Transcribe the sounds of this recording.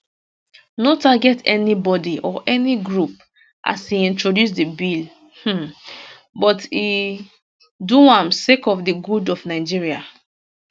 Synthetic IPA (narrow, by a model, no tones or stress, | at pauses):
notaɡɛtʰɛnibɔdiʔɔʔɛniɡɹup̚ | ʔa̰siĩntɹodjus̬dibil̩ | bɔti | duãmsekɔfdiɡudɔvnaɪd͡ʒiɹia̰